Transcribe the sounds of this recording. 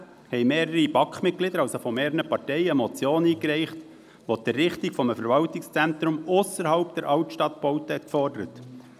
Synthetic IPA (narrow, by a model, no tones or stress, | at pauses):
hɛɪmeːɾəɾib̥ɑkχmɪt̚klɪd̪əɾɑwsofɔmeːɾənəpɑrtɛɪəmɔt͡sjoːniːkɾɛɪχt̪ | ʋot̪ɛrɪχt̪ikfɔməfəɾʋɑlt̪ɪkst͡sɛnt̪ɾʊmʊsəɾɦɑʊpd̥̪ɛɾʔɑʊtʃtɑt̪b̥ɔʊtəhɛt̪kfɔrdəɾət